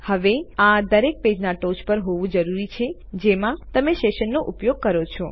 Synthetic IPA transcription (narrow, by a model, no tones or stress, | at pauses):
həʋead̪əɾek̚ped͡ʒnaʈot͡ʃpəɾɦoʋũd͡ʒəɾuɾit͡ʃʰed͡ʒemãt̪əmeʃeʃənːoʔupjoɡ̚kəɾot͡ʃʰɔ